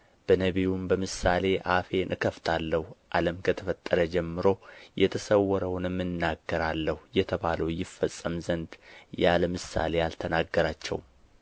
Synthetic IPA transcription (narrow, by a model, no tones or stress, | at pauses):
b̥ənəβijumbəmɨsale̞ʔafe̞nʔɨkʰəft̪ʰalːəhuʔaləmkʰət̪ʰəfət̪ʼːəɾəd͡ʒɛmːɨɾo̞jɛt̪ʰəsəwːɔɾəwnɨmːɨnːaɡːəɾalːəhujɛt̪ʰəβaləwjɪfːəsʼːəmzənd̪jaləmɨsa̰le̞jalt̪ʰənaɡːəɾat͡ʃːɛ̰w